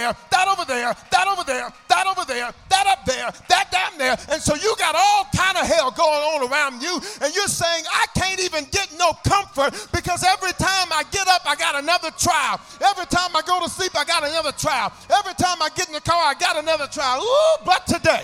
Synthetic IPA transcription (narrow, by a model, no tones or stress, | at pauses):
ə˞ðəɾoʊvə˞ðə˞ðəɾoʊvə˞ðə˞ðəɾoʊvə˞ðə˞ðəɾʌp̚ðə˞ðɨt̚d̥ãʊ̃nðə˞ɨ̃nsoʊjɨɡɑɾɔlˠkʰãɪ̃ndʌɦɛlˠɡoʊɪ̃ŋə̃nə˞ãʊ̃nd͡ʒjɨɨ̃njə˞seɪɪ̃ŋaɪkʰæ̃ntivɨ̃nɡɛtⁿnoʊkʰʌ̃ɱfə˞t̚b̥ɨkʰʌzɛvɹitʰãɪ̃maɪɡɛɾʌpaɪɡɑɾɨnʌðə˞tʰɹ̥aɪlˠ | ɛvɹitʰãɪ̃maɪɡoʊɾəslipaɪɡɑɾɨnʌðə˞tʰɹ̥aɪlˠɛvɹitʰãɪ̃maɪɡɛɾɪ̃ŋtɨkʰɑɹaɪɡɑɾɨnʌðə˞tʰɹ̥aɪlˠʌtʰɨdeɪ